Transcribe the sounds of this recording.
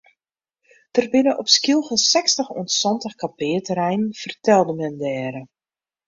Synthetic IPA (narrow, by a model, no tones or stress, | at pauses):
d̥ərbɪnəʔɔpskilˠɣəsɛkstəxṵəntsɔntəxkapɪːətərɛjnnfərtɛlˠdəmɛndɛːɾə